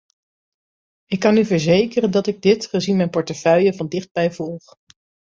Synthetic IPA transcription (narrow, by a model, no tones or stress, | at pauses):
ɪkːɑnyvəɹzejkərəndɑtɪɡ̚dɪtχəzinmɛjnpɔɹtəfœɥjəvɑndɪχd̚bɛjvɔlˠχ